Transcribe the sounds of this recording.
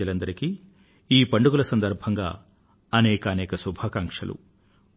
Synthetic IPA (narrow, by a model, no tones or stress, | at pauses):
ɐlɐnd̪ɐɾiki | iːpɐɳɖuɡulɐsɐnd̪ɐɾbʱɐŋɡa̰ː | ɐnɛːkɐːnɛːkɐsubʱaːkaŋkʂɐ̰lṵ